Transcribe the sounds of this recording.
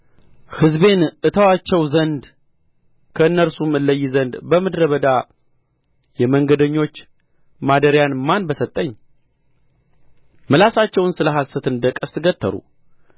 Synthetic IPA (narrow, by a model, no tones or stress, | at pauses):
hɨzbe̞nʔɨt̪ʰəwat͡ʃːɛwzənd̪ | kʰəɨnːəɾsumɨlːəjːɪzənd̪bəmɨd̪ɾəβəd̪a | jɛməŋɡəd̪əɲːo̞t͡ʃː | mad̪əɾjanmanbəsət̪ʼːəɲː | mɨlasat͡ʃːɛwnsɨləɦasət̪ɨnd̪əkʼəst̪ɨɡət̪ʰːə̰ɾṵ